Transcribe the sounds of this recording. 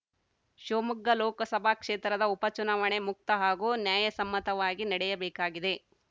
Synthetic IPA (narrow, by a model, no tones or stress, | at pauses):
ʃoːmuɡːɐlɔːkɐsɐbʱakʂeːt̪ɾɐd̪ɐupɐt͡ʃunaːʋɐɳe̞muk̚t̪ɐɦaːɡuːnjaːjɐsɐmːɐt̪ɐʋaːɡinɐɽɛjɐbeːkaːɡid̪e̞